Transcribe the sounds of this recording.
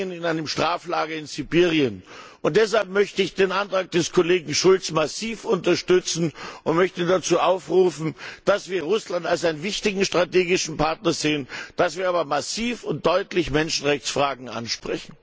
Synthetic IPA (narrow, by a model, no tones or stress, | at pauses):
ənɪnaɪnəmʃtʁ̥aːflaːɡɐɪnzibiːʁiənʔʊnt̚d̥ɛshalp̚mœçtəɪçd̥eːnʔantʁ̥aːk̚d̥ɛskʰoleːɡŋ̩ʃʊlt͡smasiːfʊntɐʃtʏt͡sn̩ʔʊntmœçtədat͡suːʔaʊfʁuːfn̩d̥asv̥iːɐʁʊslantalsaɪnənvɪçtɪɡŋ̩ʃtʁ̥ateːɡɪʃn̩paɐtnɐzeːənd̥asv̥iːɐaːbɐmasiːfʊnt̚d̥ɔʏtlɪçmɛnʃn̩ʁɛçt͡sfʁ̥aːɡŋ̩ʔa̰nʃpʁ̥ɛçn̩